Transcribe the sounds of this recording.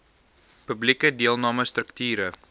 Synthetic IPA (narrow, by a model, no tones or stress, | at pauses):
pəblikədiəlˠnɑːməst̪ɾəktyːɾə